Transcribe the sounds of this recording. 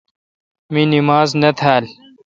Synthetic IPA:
minimaːznɐt̪ʰaːl

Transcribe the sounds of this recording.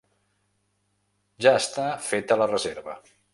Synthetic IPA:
ʒaəst̪afet̪ələrəzeɾβə

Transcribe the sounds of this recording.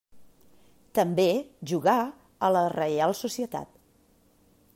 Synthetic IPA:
t̪əmbeʒuɣa | ələrəjalˠsusiət̪a̰t̪̚

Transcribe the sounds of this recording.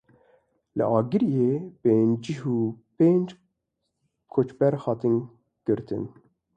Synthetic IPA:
lə̰ʔɑːɡɨɾijeːpeːnd͡ʒiɦuːpeːnd͡ʒ | kʰot͡ʃbɛɾhɑt̪ɨn | ɡ̥ɨɾt̪ʰɨ̰n

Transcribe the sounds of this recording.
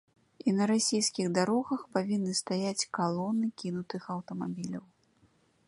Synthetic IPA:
inɐɾasʲejskʲiɣd̪aɾɔɣɐxpavʲinːɨst̪ajat͡sʲkalˠɔnɨkʲinut̪ɨxɐwt̪ɐmabʲilʲɐw

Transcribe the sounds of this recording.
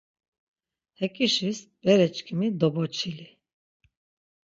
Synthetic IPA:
hɛkʼiʃisbɛɾɛt͡ʃkʰimid̪ɔbɔt͡ʃʰili

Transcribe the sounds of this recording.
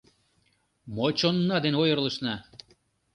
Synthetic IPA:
mot͡ɕonːɑd̪enojərləʃnɑ

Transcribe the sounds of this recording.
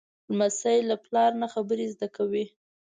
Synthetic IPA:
lmasajlaplɑɾnaxabəɾezd̪akawi

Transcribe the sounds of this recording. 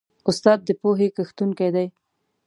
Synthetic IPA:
ʊst̪ɑd̪̚ːəpoɦekəxt̪uŋkajd̪aj

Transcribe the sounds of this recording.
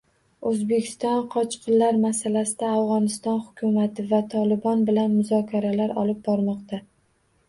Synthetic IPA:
ɵzbekʲʰɪ̥st̪ɒnqʰɒt͡ʃqʰɨnlaɾmasalasɪd̪aːvʁɒnɪst̪ɒnhʊkʲʰʊmat̪ʰɪvat̪ʰɒlɪbɒnbɪlanmʊzɒkʲʰaɾalaɾɒ̰lɪp̚bɒɾmɒqt̪ʰa

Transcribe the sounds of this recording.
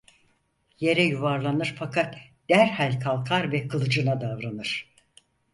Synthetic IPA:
je̞ɾɛjuvaɾlˠanɯɾfakʰat̪ | d̪̥æɾhalʲkʰalˠkʰaɾvɛkʰɯlˠɯd͡ʒɯnad̪avɾanɯɾ̥

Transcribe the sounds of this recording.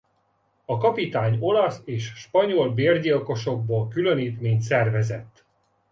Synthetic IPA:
ɒkɒpit̪aːɲo̞lɒseːʃʃpɒɲo̞lbeːrɟilko̞ʃo̞ɡ̚boːlkyløniːt̪meːɲt̪sɛrvɛzɛt̪ː

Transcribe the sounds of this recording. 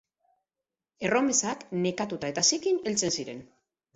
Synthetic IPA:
e̞ro̞me̞sakne̞kat̪ut̪ae̞t̪asikine̞lt͡se̞nsiɾe̞̰n

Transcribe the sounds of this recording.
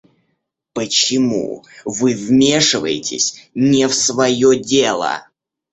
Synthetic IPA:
pət͡ɕɪmṵvɨvmʲe̞ʂɨvə̰jɪtʲɪ̰sʲnʲɪfsvɐjodʲelˠə̰

